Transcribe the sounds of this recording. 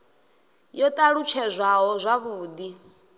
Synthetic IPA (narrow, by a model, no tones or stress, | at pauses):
jɔt̪ʼaɺut͡ʃʰɛzʷaɦɔzʷaβuːd̪i